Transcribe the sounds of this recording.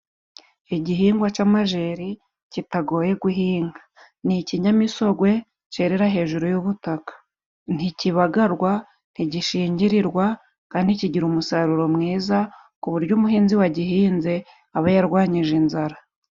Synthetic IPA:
iɟiɦiːŋɡwat͡ʃaːmaʒe̞ɾi | citaɡo̞ːje̞ɡuɦiːŋɡḁ | niciɲamiso̞ɡwe̞ | ceːɾeɾaɦe̞ːʒuɾujuβutakḁ | n̥iciβaɡaɾɡwa | n̥hiɟiʃiːɲɟiɾiɾɡwa | kaːndiciɟiɾumusaɾuɾo̞mŋiːza | kuβuɾɟuːmuɦiːnziwaɟiɦiːnze̞ | aβajaɾɡwaːɲiʒinzaɾa

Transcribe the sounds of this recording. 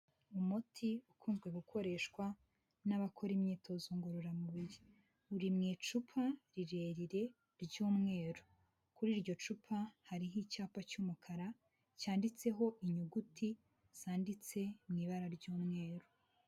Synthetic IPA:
umutʰiukuːnzɡwe̞ɡukʰo̞ɾe̞ʃkwa | naβakʰo̞ɾimɲiːtʰo̞zuŋɡoɾoɾamuβiɾi | uɾimŋiːt͡ʃupʰaɾiɾe̞ːɾiɾe̞ | ɾɟuːmŋe̞ːɾo | kuɾiːɾɟo̞t͡ʃupʰahaɾiɦit͡ʃaːpacuːmukʰaɾa | caːndit͡se̞ɦo̞ʔiɲuɡutʰi | z̥aːndit͡se̞mŋiβaɾaɾɟuːmŋe̞ːɾo

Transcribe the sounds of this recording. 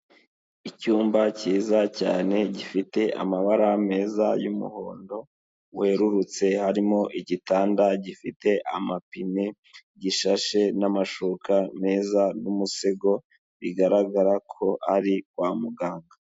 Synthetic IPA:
icuːmbaciːzaca̰ːne̞ɟifite̞ʔa̰maβaɾame̞ːzajumṵho̞ːndo̞ | weɾuɾut͡se̞haɾimo̞ʔiɟitaːndaɟifite̞ʔamapime | ɟiʃaʃe̞namaʃukame̞ːzanumuseɡo̞ | βiɡaɾaɡaɾakʰo̞ʔaɾikwaːmuɡaːŋɡa

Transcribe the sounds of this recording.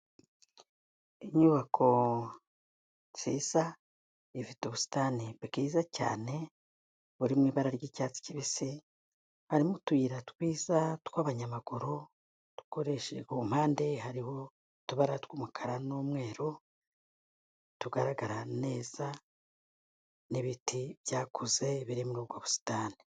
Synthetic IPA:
iɲuβakʰo̞ | z̥iːza | ivituβusi̥taniβikiːzaca̰ːne̞ | βuɾimŋiːβaɾaɾɟicaːt͡si̥ciβisi | haɾimutuiɾatwiːzatkwaβaɲamaɡ̥uɾo | tu̥koɾe̞ʃḛɡum̥haːnde̞ɦaɾiho̞ | tuβaɾatwumukʰaɾanoːmŋe̞ːɾo | tuɡaɾaɡaɾane̞ːz̥a | niβitivjaːkuze̞βiɾimuɾub̚ɡwaβusi̥taːni̥

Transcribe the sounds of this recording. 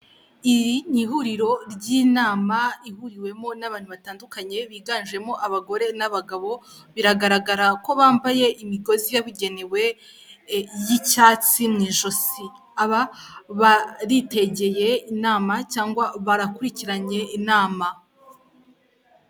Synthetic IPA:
iɾiɲiɦuɾiɾo̞ɾɟiːnaːmaihuɾiwe̞mo̞naβaːn̥huβataːndukaɲe̞βiːɡaːnʒe̞mo̞ʔaβaɡo̞ɾe̞naβaɡaβo̞βiɾaɡaɾaɡaɾako̞βaːɱvaje̞ʔimiɡo̞zijaβuɟe̞newe̞ | jicaːt͡simŋiːʃo̞si | aβaβaɾite̞ɟe̞je̞inaːmacaːŋɡwaβaɾakuɾiciɾaɲe̞inaːma

